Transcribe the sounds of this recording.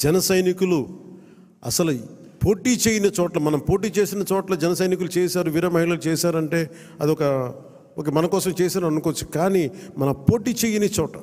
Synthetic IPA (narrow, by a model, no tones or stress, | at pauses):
d͡ʒɛnɐsɐjnikulu | ɐsɐlu | poːʈiːt͡ʃeːjːinɐt͡ʃɔːʈlɐmɐnɐmpo̞ːʈiːt͡ʃe̞ːsinɐt͡ʃɔːʈlɐd͡ʒɛnɐsɐjnik̬ulut͡ʃeːsaːɾuʋiɾɐmɐɦiɭɐlut͡ʃeːsaːɾɐɳʈe̞ː | ɐ̰d̪iɔkɐ | oːk̬eːmɐnɐkɔːsɐmt͡ʃeːsaːɾɐɐnukːʋɐt͡ʃːu̥kaːnimɐnɐpo̞ːʈiːt͡ʃeːjinet͡ʃɔːʈɐ̰